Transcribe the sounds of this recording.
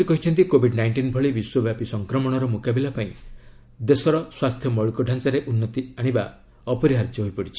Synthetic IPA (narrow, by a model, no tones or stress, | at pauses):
ikɔɦit͡ʃʰɔnt̪ikobʱiɖnajɳʈinbʱɔɭibiswɔbjapisɔŋkɾɔmɔɽ̃ɔɾɔmukabilapaĩ | d̪esɔɾɔswast̪ʰjɔmɔɭukɔɖʱant͡ʃaɾeʔunːɔt̪iaɽ̃iba̰ | ɔpɔɾiɦaɾt̪jɔɦojpɔɽit͡ʃʰi̥